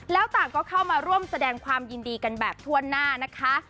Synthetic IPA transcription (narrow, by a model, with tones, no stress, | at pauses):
lɛː˦˥wt̪aː˨˩ŋkɔː˥˩kʰa˥˩wmaː˧ɾu˥˩əmsa˧dɛː˧ŋkʰwaː˧mjiː˧ndiː˧ka˧nbɛː˨˩p̚t̪ʰu˥˩ɐənaː˥˩na˦˥kʰa˦˥